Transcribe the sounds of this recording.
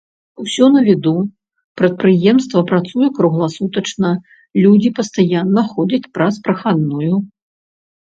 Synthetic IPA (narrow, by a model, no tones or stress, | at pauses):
usʲɔnɐvʲid̪u | pɾɐt̪̚pɾɨjɛmst̪vɐpɾat̪sujɛkɾuɣlˠasut̪ɐt͡ʂnɐ | lʲud͡zʲipɐst̪ajanːɐxɔd͡zʲɐt͡sʲpɾɐspɾɐxad̪nuju